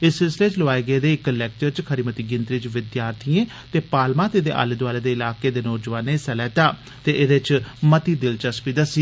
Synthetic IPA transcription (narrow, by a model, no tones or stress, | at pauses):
ɪssɪlsɪleːt͡ʃloaːeːɡeːd̪eːɪkːəlɛːk̚t͡ʃəɾt͡ʃkʰəɾiːmət̪iːɡɪnt̪ɾiːt͡ʃʋɪd̪jaːɾt̪ʰijẽː | t̪eːpaːlmãːt̪ed̪ḛːʔa̰ːlɪd̪ʋaːleːd̪eːɪlaːkeːd̪eːnɔːd͡ʒəʋaːneːsɛlɛːt̪aː | t̪eːʔɪd̪et͡ʃmət̪iːd̪ɪlt͡ʃəskiːd̪əsi